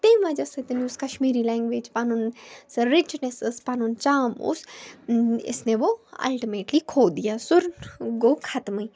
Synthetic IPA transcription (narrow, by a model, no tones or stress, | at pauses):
t̪ẽːmʋad͡ʒɐsɐt̪ɐnjuːskɐʃmiːɾilɛ̃ːŋɡʋeːd͡ʒpanunsɐɾɪt͡ʃnesɨspanunt͡ʃaːmṵːs | ɪ̰sneʋoɐ̰lʈimeːʈlikʰoːd̪ijasʊɾɡoːkʰɐt̪mɨj